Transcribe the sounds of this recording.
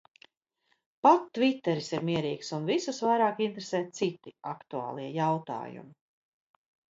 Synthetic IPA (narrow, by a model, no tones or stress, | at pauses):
pat̪ːvit̪ːɛɾisiɾmiɛɾiːksunvisusvajɾaːkint̪ɾeseːt̪̚sit̪iakt̪ua̰ːlˠiɛjawt̪a̰ːjṵmi